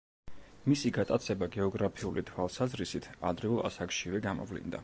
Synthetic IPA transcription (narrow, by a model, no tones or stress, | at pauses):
misiɡat̪ʼat̪sʰɛbaɡɛɔɡɾapʰiulit̪ʰwalˠsazɾisit̪ʰa̰d̪ɾiulˠa̰sakʃivɛɡamɔ̰vlḭnd̪a̰